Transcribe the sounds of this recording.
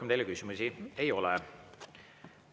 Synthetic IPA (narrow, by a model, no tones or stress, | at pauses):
emd̪elːukysʲimusie̞jo̞lɛ